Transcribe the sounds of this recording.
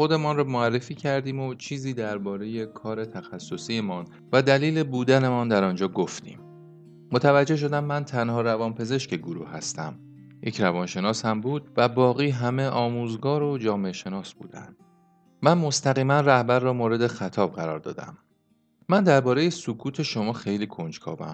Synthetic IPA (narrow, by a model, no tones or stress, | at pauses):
χo̞d̪e̞mɒnrɒːmoærːe̞fiːcʰæɾd̪iːmot͡ʃʰiːziːd̪æɾbɒːɾe̞je̞kʰɒːɾe̞t̪ʰæxæsːo̞siːemɒːn | væd̪æliːle̞buːd̪æne̞mɒnd̪æɾɒːnd͡ʒɒːɡoft̪ʰḭːmː | ot̪ʰævæd͡ʒːe̞hʃ̬o̞d̪æmːænt̪ʰænhɒːɾævɒːnpʰe̞ze̞ʃke̞ɡoɾṵːhhæst̪æ̰m | jecʰɾævɒːnʃe̞nɒːshæmbuːd̪̚væbɒːɣiːɦæme̞ʔɒːmuːzɡɒːɾo̞d͡ʒɒːmeeʃe̞nɒːsb̥ṵːd̪̥æ̰nd̪̥ | mænmo̞st̪æɣiːmænræhbæɾːɒːmoːɾe̞d̪e̞xæt̪ʰɒːbɢæɾɒːɾd̪ɒ̰ːd̪æ̰m | mænd̪æɾbɒːɾe̞je̞sokʰuːt̪ʰe̞ʃo̞mɒːxe̞jliːkʰo̞nd͡ʒkʰɒ̰ːbæ̰m